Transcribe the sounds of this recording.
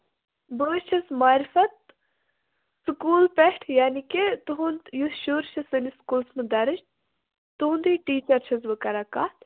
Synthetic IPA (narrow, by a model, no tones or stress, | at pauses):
bəːt͡ʃʰɐsmaːɾifɐt̪̚ | sɨkuːlpeʈʰjaːniket̪uɦund̪jusʃuːɾʃʰɐsɨniskuːlsmɨd̪ɐɾɨʃ | t̪und̪iʈiːt͡ʃɐɾt͡ʃʰɐzʋɨkɐɾɐkaː